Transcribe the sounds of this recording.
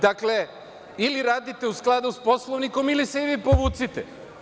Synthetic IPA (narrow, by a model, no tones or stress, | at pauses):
d̪akle̞ | iliɾaːd̪it̪e̞usklˠad̪uspo̞slˠoʋniko̞miliseiʋipo̞ʋuːt̪sit̪ḛ